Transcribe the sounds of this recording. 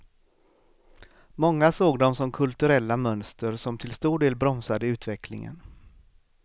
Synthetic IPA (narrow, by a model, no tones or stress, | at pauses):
mɔŋːasoːɡd̪ɔmsɔmkʰɵlt̪ɵɾɛlːamœnst̪əɾsɔmt̪ʰɪlst̪uːɖeːlbɾɔmsad̪əʉ̟ːt̪vɛkʰlɪ̰ŋə̰n